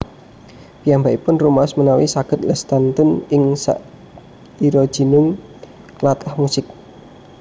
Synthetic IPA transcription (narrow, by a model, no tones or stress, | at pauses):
pijambaipʊnrumasmənawisaɡ̥ə̤t̪̚lɛst̪ant̪ʊnɪŋsa̰ʔ | iɾɔd̥ʒ̥i̤nʊŋ | klat̪ahmusɪk̚